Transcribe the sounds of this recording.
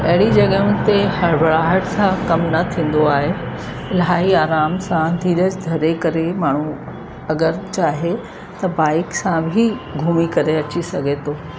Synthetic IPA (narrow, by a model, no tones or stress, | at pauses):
ɐɦɪɽid͡ʑɐɠəʊ̃nɪ̆t̪ehɐɾbʱɐɭaːɦəʈsãkɐmnɐt̪ʰĩːn̆d̪oaːɦe | ɪlɦaːiaːɾaːmsãd̪ʱĩːd̪əd͡ʑd̪ʱɐɾekɐɾemaːɳ̤u | ɐɡəɾt͡ɕaːɦe | t̪ɐbaːɪksãbʱiɡʱuːmikɐɾeɐt͡ɕisɐɡʱet̪ʰoː